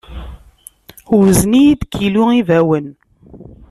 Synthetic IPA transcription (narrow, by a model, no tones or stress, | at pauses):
ʊɾznijid̪kʰːiluivæwən